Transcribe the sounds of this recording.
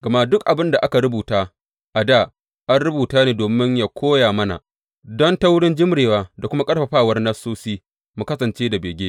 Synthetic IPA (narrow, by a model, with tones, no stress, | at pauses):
ɡɐ˨ma˦dʊ˦kʔa˨bɪ˦nda˨ʔa˦ka˨ɾʊ˦buː˨taː˦ | ʔa˨daː˦˨ | ʔa˦nɽʊ˦buː˨taː˦neː˨doː˨mɪ˦ɲjaː˨kʷʰoː˦jaː˨mɐ˦na̰˨ | dɔ˦nta˦wʊ˦ɽɪ˦nd͡ʒɪ˦mɽeː˨waː˦da˨kʷʊ˦ma˦kʼɐ˦ɽɸɐ˨ɸaː˦˨wɐ˦rnɐ˦sːoː˦siː˦ | mu˨kɐ˦sɐ˨nt͡ʃeː˦da˨beː˨ɡʲeː˦